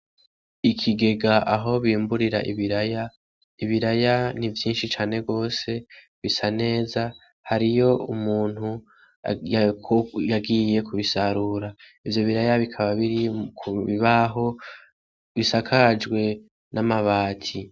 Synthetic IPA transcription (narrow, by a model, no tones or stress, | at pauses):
ikʰiɡe̞ɡaʔaɦo̞βiːmbuɾiɾa̰ʔḭβiɾaja | iβiɾajanivjiːnʃit͡ʃaːne̞ɡo̞ːse̞ | βisane̞ːza | haɾijo̞umuːn̥hu | jkojaɡije̞kʰuβisaɾuːɾa | ivjo̞βiɾajaβikʰaβaβiɾikʰuβiβaɦo̞ | βisakʰad͡ʒɡwe̞ | nʔamaβaːtʰi